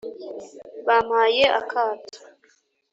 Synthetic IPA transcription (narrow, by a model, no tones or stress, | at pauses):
βaːmhaːjeʔa̰kʰaːtḁ